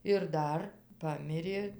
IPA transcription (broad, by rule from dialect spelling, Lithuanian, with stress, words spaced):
ɪr ˈdɐr ˈpɑːmʲɪrʲeː